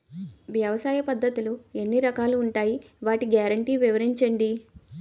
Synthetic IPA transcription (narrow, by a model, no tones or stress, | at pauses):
ʋjɐʋɐsaːjɐpɐd̪ʱːɐt̪ulue̞nːiɾɐkaːluːɳʈaːji | ʋaːʈiɡjaːɾɐɳʈiːʋiʋɐɾiɲt͡ʃɐɳɖi